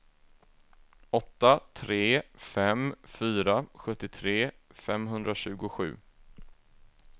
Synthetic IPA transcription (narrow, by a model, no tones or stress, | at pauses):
ɔt̪ːat̪ʰɾeːfɛmfyːɾaɧɵt̪ːɪt̪ʰɾeːfɛmɦɵnd̪ɾaɕʉ̟ːɡʊɧʉ̟̰ː